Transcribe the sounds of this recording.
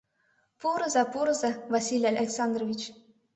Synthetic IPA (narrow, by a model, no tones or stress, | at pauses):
puɾɤ̆zɑpuɾɤ̆zɑvɑsʲilʲɑlʲʔɑlʲeksɑnd̪rovʲit͡ɕ